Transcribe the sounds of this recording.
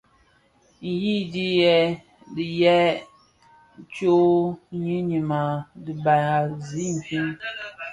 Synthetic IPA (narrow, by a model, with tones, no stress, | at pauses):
n̩˨ji˦di˦jɛ˦ | di˨jɛ˦ | t͡ʃo˦ɲi˦ɲi˨ma˨di˨ba˨a˨zi˦m˨fi˦n